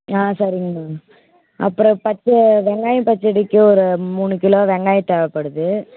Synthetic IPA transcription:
aːsɐɾɪŋɡɐ | ʔɐ̰pːɯɾɔ̃pɐt͡ʃːɐʋɛŋɡaːjɐ̃pɐt͡ʃːɪɽɪkːɯɔɾɯmuːɳɯkɪloːʋɛŋɡaːjɐt̪ːɛʋɐpːɐɽɯðɯ

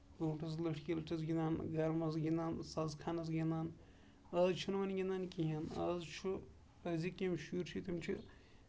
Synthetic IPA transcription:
ɡoːʈɐzlɐʂʈʰkʲilʈʰɐzɡʲinaːnɡɐɾmɐzɡinaːnsɐzkʰaːnɐzɡind̪aːn | ɐzt͡ʃʰunʋɐnɡʲinaːnkiɦɐnɐzt͡ʃʰu | əzikimʃuɾt͡ʃʰit̪ʰimt͡ʃʰṵ

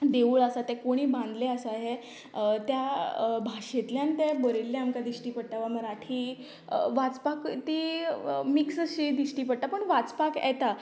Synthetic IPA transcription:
d̪eʋuːɭasat̪ɛ̃koɽ̃iːbãnd̪leasaɦe | t̪jabʱaʂet̪ljãnt̪ɛbəɾelːeamkad̪iɕʈiːpəɽ̚t̪aʋaməɾaʈʰiː | ʋat͡spakt̪i | miksəɕid̪iʂʈiːpəɽ̚t̪apəɳʋat͡spakɛ̰t̪a

